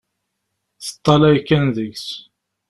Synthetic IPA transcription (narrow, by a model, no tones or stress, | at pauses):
θə̥t̪ˤːɑlæjkːænðəʝs